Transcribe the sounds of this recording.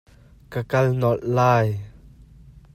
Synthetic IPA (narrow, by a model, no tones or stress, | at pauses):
kəkɐlnɔllaːj